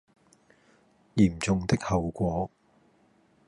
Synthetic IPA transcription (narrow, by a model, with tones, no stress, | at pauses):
jiː˨˩mt͡sʊ˨ŋt̪ɪ˥k̚hɐ˨wkʷɔː˨˥